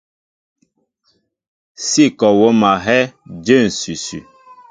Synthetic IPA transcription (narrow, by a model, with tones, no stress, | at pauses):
si˦˨kɔ˨wo˦ma˨ɦɛ˦d͡ʒe˦˨n̩˨si˨sy̰˨